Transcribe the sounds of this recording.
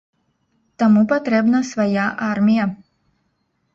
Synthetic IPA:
t̪amupat̪ɾɛbnasvajaʔaɾmʲija

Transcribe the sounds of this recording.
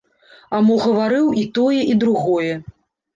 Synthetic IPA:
amɔɣɐvaɾɨwit̪ɔjɛʔid̪ɾuɣɔjɛ

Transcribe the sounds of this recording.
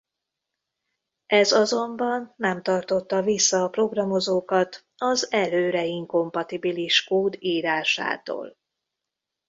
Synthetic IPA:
ɛzɒzo̞mbɒnːɛmt̪ɒrt̪o̞t̪ːɒvisːɒːpro̞ɡrɒmo̞zoːkɒt̪ | ɒzɛløːɾɛiŋko̞mpɒt̪ibiliʃkoːd̪iːɾaːʃa̰ːt̪o̰ːl

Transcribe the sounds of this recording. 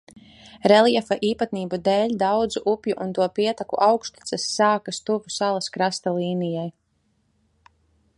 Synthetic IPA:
ɾɛlˠiɛfaʔiːpat̪niːbud̪eːlʲd̪awd̪zuʔupʲjuʔunt̪uɔpiɛt̪akṵʔawkst̪i̥t̪sɛsːaːkast̪uvusalˠaskɾast̪alˠiːnijaj

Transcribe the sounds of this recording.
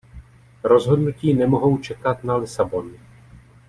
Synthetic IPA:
ɾo̞zɦo̞dnuciːnɛmo̞ɦo̞wt͡ʃɛkat̪̚nalɪsabo̞nɪ

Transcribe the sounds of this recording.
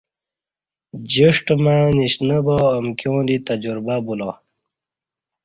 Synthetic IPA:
d͡ʑiʂʈmaniɕnəboːmkjõːd̪it̪ɐd͡ʑuɾbabulo

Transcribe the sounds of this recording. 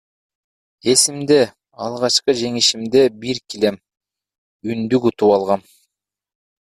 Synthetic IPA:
e̞simd̪e̞ | ɑlˠʁɑt͡ʃqɤd͡ʒe̞ŋiʃimd̪e̞biɾkile̞m | ynd̪ykut̪upɑlˠʁɑn

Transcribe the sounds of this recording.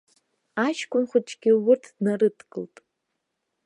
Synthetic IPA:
aʃkʷʰʼʊnχʷʊt͡ʃʼɡʲɪwʊrtʰd̥narɨtʰɡɨltʼ

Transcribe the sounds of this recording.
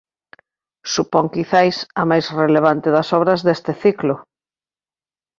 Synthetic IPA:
supɔŋkiθajsɐmajsreleβ̞ant̪ɪðɐsɔβɾɐzðest̪ɪθiklʊ

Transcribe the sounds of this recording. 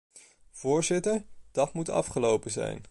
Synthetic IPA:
v̥ʊːɹzɪtəɹd̥ɑtmutɑ̰fχəlowpəzɛ̰jn

